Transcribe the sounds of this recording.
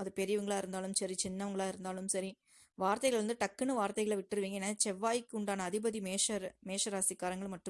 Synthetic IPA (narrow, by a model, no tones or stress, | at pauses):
ɐðɯpɛɾɪjʋɐŋɡɐɭaːɪɾɯnd̪aːɭɯmsɐɾit͡ʃɪnːɐʋɐŋɡɐɭaːɪɾɯnd̪aːlɯmsɐɾi | ʋaːɾt̪ɐɪɣɐɭʋɐnd̪ɯʈɐkːɐnɯʋaːɾt̪ɐɪɣɐɭɐʋɪʈːɪɾɯʋiːŋɡɐeːnːaːt͡ʃɛʋːaːjkʊɳɖaːnɐːðɪbɐðimeːʂɐɾmeːʂɐɾaːsɪkːaːɾɐŋɡɐɭmɐʈːɯ